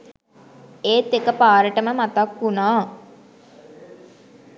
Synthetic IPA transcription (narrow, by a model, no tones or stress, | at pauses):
eːt̪ːekəpaːɾəʈəməmat̪akunaː